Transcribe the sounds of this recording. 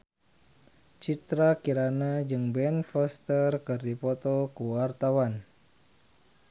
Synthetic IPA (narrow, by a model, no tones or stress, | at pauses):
t͡ʃit̪ɾakiɾanad͡ʒɨŋbɛnfɔst̪ərkɨrdipɔt̪ɔkuwart̪awan